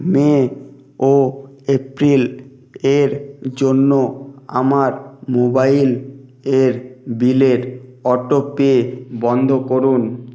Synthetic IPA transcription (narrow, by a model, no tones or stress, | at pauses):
me | oepɾil | eɾd͡ʑonːoa̰maɾmobaileɾbileɾɔʈopeebɔnd̪ʱokoɾun